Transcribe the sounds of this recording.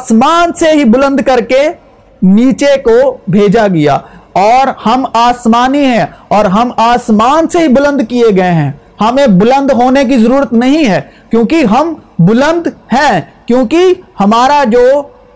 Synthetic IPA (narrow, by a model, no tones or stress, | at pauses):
aːsmaːnseɦibʊlə̃nd̪ʱkɐɾke | niːt͡ʃekobʱeːd͡ʒaɡɐja̰ːɔːɾhɐmaːsmaːniɦɛ̃ɔːɾɦɐmaːsmaːnseɦibʊlə̃nd̪kieɡɐeɦɛ̃ː | hɐmẽbʊlə̃nd̪ɦoːnek̬izɐɾuːɾət̪nɐɦĩɦɛːkjõːkiɦɐmbʊlə̃nd̪hɛ̃ːkjõːkihɐmaːɾad͡ʒoː